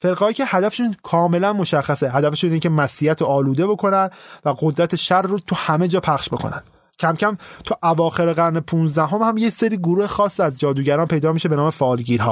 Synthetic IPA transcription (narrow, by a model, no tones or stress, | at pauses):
fe̞ɾɣɒːicʰehæd̪æfeʃunkʰɒːme̞lænmoʃæχːæseɦæd̪æfeʃuniecʲʰemæsijæt̪ʰoɒːluːd̪e̞bo̞kʰo̞nænvæɡod̪ɾæt̪ʰeʃæɾːot̪ʰuhæme̞d͡ʒɒːpʰæχʃbo̞kʰo̰næ̰n̥ | cʰæmcʰæmt̪ʰuʔævɒːxe̞ɾeɣæɾnepʰunzd̪æɦo̞mhæmje̞seɾiːɡoɾuːhexɒːsːiæzd͡ʒɒːd̪uːɟæɾɒːnpʰe̞jd̪ɒːmiʃebe̞nɒːme̞fɒːlɟiːɾɦɒ̰ː